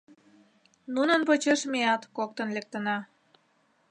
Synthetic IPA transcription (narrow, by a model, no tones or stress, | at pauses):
nunənpot͡ɕeʃmeɑt̪kok̚t̪ənlek̚t̪ənɑ